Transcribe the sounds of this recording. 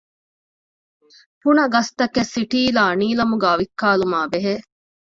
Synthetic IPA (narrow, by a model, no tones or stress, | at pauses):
fuɳɐɡɐst̪ɐkesːiʈiːlaːniːlɐmuɡæːʋikːaːlumaːbeɦeː